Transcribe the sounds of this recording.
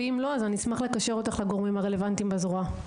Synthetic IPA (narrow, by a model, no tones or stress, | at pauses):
imlo̞azanismaχle̞kaʃe̞ʁo̞t̪aχlaɡoʁmimaʁe̞le̞vant̪imbazʁua